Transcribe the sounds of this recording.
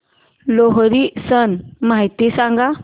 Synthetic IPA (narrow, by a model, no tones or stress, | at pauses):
loɦɾisənmajt̪isãŋɡa